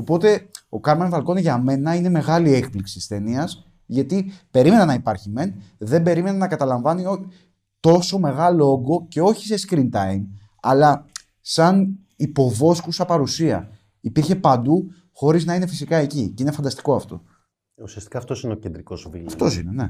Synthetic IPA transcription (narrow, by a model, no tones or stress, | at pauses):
o̞po̞t̪e̞o̞kɐmenvɐlko̞nʝɐme̞nɐine̞me̞ɣɐlie̞k̚pliksi̥t̪ist̪e̞niɐs | ʝɐt̪ipe̞ɾime̞nɐnɐipɐɾçime̞nðe̞mbe̞ɾime̞nɐnɐkɐt̪ɐlɐɱvɐnio | t̪o̞so̞me̞ɣɐlooɡo̞ce̞o̞çi̥seskɾint̪ɐim | ɐlɐ | sɐn | ipo̞vo̞skusɐpɐɾusiɐ̰ | ipiɾçe̞pɐnd̪u | xo̞ɾiznɐine̞fisikɐe̞ciceine̞fɐnd̪ɐst̪i̥ko̞ɐft̪o̞̰ | usiɐst̪i̥kɐːft̪o̞sineocend̪ɾiko̞zvḭlɐft̪o̞sḭnenḛ